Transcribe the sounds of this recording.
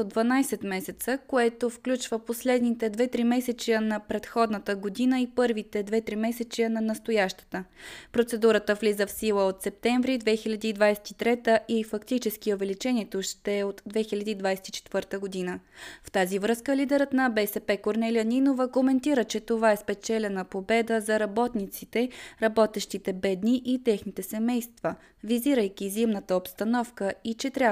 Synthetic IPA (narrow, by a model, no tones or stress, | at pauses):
od̪vɐnajsɛt̪mɛsɛt̪səkoɛt̪ofklʲut͡ʃvəposlɛd̪nit̪ɛd̪vɛt̪ɾimɛsɛt͡ʃ̪iənɐpɾɛt̪xɔd̪nət̪əɡod̪inəipɤɾvit̪ɛd̪vɛt̪ɾimɛsɛt͡ʃ̪iənɐnɐst̪ojaʃt̪ə̥t̪əpɾot̪sɛd̪uɾət̪əvlizəfsilˠəot̪sɛp̚t̪ɛɱvɾid̪vɛxilʲɐd̪iːd̪vajsɛ̥t̪it̪ɾɛt̪əʔifɐkt̪it͡ʃɛsk̟iovɛlit͡ʃɛnʲiɛt̪oʃt̪ɛot̪d̪vɛxilʲɐd̪iːd̪vajsɛ̥t̪i̥t͡ʃɛ̥t̪vɤɾt̪əɡod̪inəft̪azivɾɤskəlid̪ɛɾət̪nɐbɛsɛpɛkoɾnɛlijəninovəɡomɛnt̪iɾət͡ʃɛt̪ovaɛspɛt͡ʃɛlʲɛnəpobɛd̪əzɐɾɐbɔt̪nit̪sit̪ɛɾɐbɔt̪ɛʃt̪it̪ɛbɛd̪niʔit̪ɛxnit̪ɛsɛmɛjst̪və | viziɾəjkʲizimnət̪əopst̪ɐnɔfkəit͡ʃɛt̪ɾʲa